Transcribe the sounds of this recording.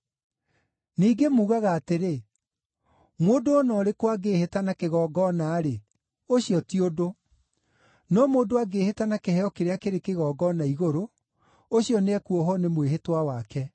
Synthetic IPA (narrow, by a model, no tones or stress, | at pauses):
niːɡemuːɣaɣaːteɾe | moːdoːnɔɾekwaɡeːhetanakeɣɔːɡɔnaːɾe | oɕiɔtiodo | nɔmoːdoaɡeːhetanakehɛɔkeɾeakeɾekeɣɔːɡɔnaiɣoɾo | oɕjɔneɛkuɔɦɔnemweɦetwawakɛ